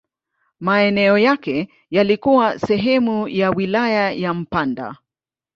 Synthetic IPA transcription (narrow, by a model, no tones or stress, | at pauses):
maɛnɛɔjakɛ | jalikuwasɛɦɛmujawilajajam̩panda̰